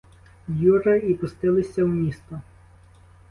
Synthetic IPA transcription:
juɾɐipʊst̪ɪlˠɪsʲɐwnʲist̪ɔ

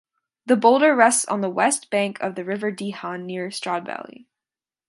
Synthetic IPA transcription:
ðəboʊlˠdə˞ɹɛstsn̩ðəwɛst̚b̥æ̃ŋkʰʌvðɨɹɪvə˞dihɑ̃nːɪɹstɹ̥ɑd̚væ̰lˠḭ

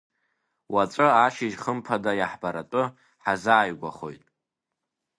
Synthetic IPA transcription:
wat͡sʷʼɨaʃɪʒχəmpʰadajaħbaɾatʼʊ | ħazaːɥɡʷa̰χo̞̰jtʼ

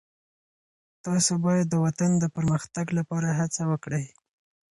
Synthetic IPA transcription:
t̪ɑsobɑjad̪ːəwat̪and̪əpəɾməxt̪aɡlapɑɾaɦat͡sawəkɽəj

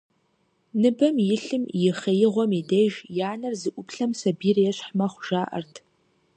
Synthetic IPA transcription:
nɨbɐmjɪɬɨmjɪχɐjɪʁʷɔmideʒjaːnɐrzɨʔʷʊpʰɬɐmsɐbiːrjɛɕħmɐχʷʒaːʔɐ̰rtʰ

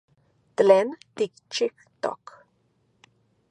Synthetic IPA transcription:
t̪lɛnt̪ikt͡ʃʰikt̪ɔ̰k

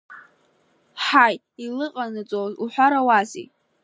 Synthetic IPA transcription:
ħajtʼ | ilɨqʼanɨt͡sʼozuħʷaɾawazḭ

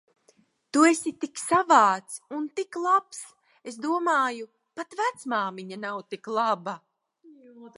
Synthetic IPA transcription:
t̪uesit̪iksavaːt̪sunt̪iklˠaps | es̬d̪uɔmaːju | pat̪væt̪smaːmiɲanawt̪iklˠaba

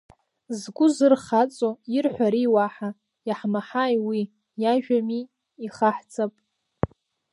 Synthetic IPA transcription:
zɡʷʊzɨrχat͡sʼoirħʷᶣaɾiwaħa | jaħmaħajwi | jaʒᶣamiː | χaħt͡sʰʼapʼ

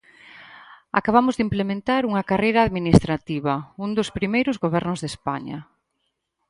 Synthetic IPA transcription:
a̰kaβamʊzðimplemẽnt̪aɾuŋɐkarejɾaːðminist̪ɾat̪iβɐund̪ʊspɾimejɾʊzɣoβ̞ɛɾnʊzðespa̰ɲɐ̰

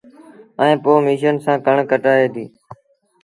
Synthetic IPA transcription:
ɛ̃ẽːpoːmiːʃənsãːkəɳkəʈaːeːd̪iː

